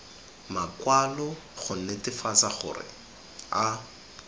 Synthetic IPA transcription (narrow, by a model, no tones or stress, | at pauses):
makwalɔ | χʊn̩netɪfat͡saχʊ̰rɪ̰ | a